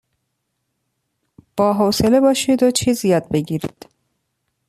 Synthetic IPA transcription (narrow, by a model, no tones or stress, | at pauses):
b̥ɒːɦoselebɒːʃiːd̪ot͡ʃʰiːzjɒːd̪̚beɡiːɾḭd̪̥